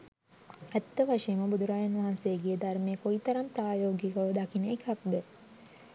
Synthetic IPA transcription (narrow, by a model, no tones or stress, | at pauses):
æt̪ːəʋaʂejəməbud̪uɾaːjɐnʋaɦansejːɡiːd̪armekoit̪ɐɾampraːjoːɡikəʋəd̪akinəkɐk̚d̪ə